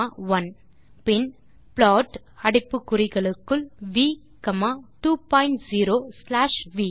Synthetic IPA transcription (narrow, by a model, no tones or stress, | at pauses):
aʋɐn | pɪn | pɭɔːʈ | ɐɽɪpːɯkːʊrɪɣɐɭɯkːɯɭʋiː | kɐmaːʈuːpaːɪɳʈziːɾoːslaːʂʋiː